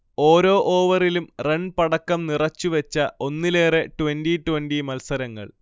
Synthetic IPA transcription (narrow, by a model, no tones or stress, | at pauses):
o̞ːɾo̞ːʔoːʋɐrilumreɳpɐɽɐkːɐmnirɐt͡ɕːuʋet͡ɕːɐo̞nːile̞ːreʈuʋenɖiʈuwenɖimɐlsɐɾɐŋːɐ̰ɭ